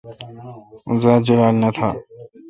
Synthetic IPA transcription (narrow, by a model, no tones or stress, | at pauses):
ʊnzaːd͡ʒəlaːlnət̪ʰa̰ː